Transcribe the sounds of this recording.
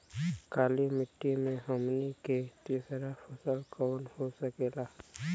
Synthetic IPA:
kaːlimɪʈːimẽɦəmniket̪isəɾapʰəsəlkɔːnhosəkeːlaː

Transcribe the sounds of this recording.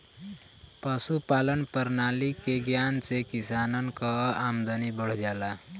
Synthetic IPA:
pʌsupalənpəɾnalikeɡjant͡sekisanənkʌamd̪ʌnibəɽ̤d͡ʒala

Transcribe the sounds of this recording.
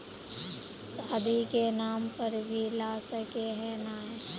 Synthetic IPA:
saːd̪ʱikenaːmpəɾbʱilaːsəkeɦɛ̃naː

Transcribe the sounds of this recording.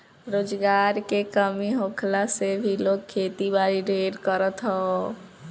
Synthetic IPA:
ɾoːd͡ʒɡaːɾkekəmiɦoːkʰlasebʱiloːɡ̚kʰːeːt̪ibaːɾiɖʱeːɾkəɾət̪ɦɔ

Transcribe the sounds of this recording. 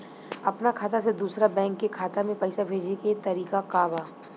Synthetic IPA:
ɐpnakʰaːt̪ased̪uːsɾabɛ̃ːŋkːekʰaːt̪amẽpɛɪsabʱeːd͡ʒeket̪ɐɾiːkakaːbaː

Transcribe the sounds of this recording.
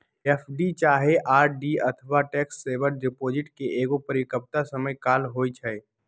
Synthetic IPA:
ɛfɖit͡ʃaːɦeʔaːɾɖiɐt̪ʰəʋaʈɛːksːeːʋəɾɖɪpoːd͡ʒɪʈkeʔeːɡopəɾɪkəp̚t̪asəməjkaːlɦoːit͡ʃʰɛe

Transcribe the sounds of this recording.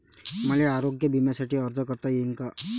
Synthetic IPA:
maleaɾoɡjəbimasaʈʰiəɾd͡ʒəkəɾt̪ajɪnka

